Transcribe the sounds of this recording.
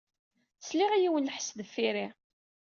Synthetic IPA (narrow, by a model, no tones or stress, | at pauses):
sliʁæjiwənləħsðəfːiɾi